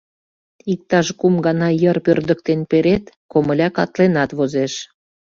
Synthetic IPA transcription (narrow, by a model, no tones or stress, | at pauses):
ik̚t̪ɑʃkumɡɑnɑjərpørd̪ək̚t̪enpeɾet̪koməlʲɑkɑ̰t̪lenɑt̪βozeʃ